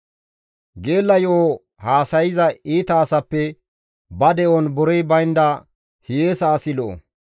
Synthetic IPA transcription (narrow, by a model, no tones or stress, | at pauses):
ɡe̞ːlːɐjo | haːsɐjɪzɐiːt̪ɐːsɐpːɛ | bɐd̪ɛʔɔnbʊɾɛjbɐjnd̪ɐ | hɪjeːsaːsɪlɔʔo̰